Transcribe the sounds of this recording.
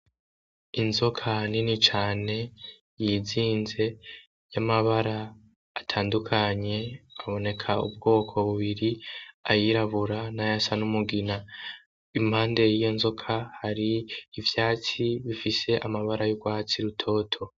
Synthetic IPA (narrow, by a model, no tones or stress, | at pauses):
inzo̞kʰaninit͡ʃaːne̞ | jiziːnze̞ | jamaβaɾaː | tʰaːndukʰaɲe̞aβo̞ne̞kʰaṵb̚ɡo̞ːkʰo̞βuβiɾiajiɾaβuɾanajasanumuɡina | imhaːnde̞jijo̞nzo̞kʰahaɾiːvjaːt͡siβifise̞ʔamaβaɾajoɡwaːt͡siɾutʰo̞ːtʰo̞